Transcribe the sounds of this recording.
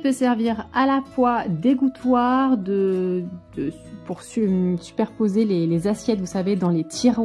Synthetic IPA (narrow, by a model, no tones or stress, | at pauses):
pøsɛʁviʁalafwad̪eɡut̪waʁd̪əd̪̥ə | puʁsysy̥pɛʁpozelelezasjɛt̪vusaved̪ɑ̃let̪ʰiʁ